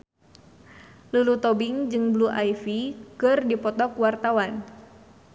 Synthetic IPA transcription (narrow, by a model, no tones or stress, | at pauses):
lulut̪ɔbiŋd͡ʒɨŋbluʔajfikɨrdipɔt̪ɔkuwart̪awan